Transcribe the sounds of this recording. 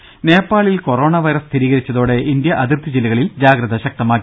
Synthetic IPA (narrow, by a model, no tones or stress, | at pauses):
ne̞ːpːaːɭilko̞ro̞ːɳɐʋɐjɾɐst̪ʰiɾiːɣɐɾit͡ɕːɐðoːɽe̞ʔind̪jɐʔɐðirt̪id͡ʑilːɐɣɐɭild͡ʑaːɡɾɐðɐɕɐk̚t̪ɐmaːkː